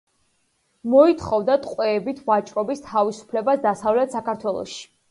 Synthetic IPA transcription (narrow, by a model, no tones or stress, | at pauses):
mɔit̪ʰχɔvd̪at̪ʼqʼwɛːbit̪ʰvat͡ʃʼɾɔbist̪ʰavisu̥pʰlɛbasd̪asavlɛt̪ʰsakaɾt̪ʰwɛlˠɔ̰ʃi̥